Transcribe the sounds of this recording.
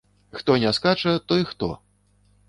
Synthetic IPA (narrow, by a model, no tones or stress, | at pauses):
xt̪ɔnʲɛskat͡ʂɐt̪ɔixt̪ɔ̰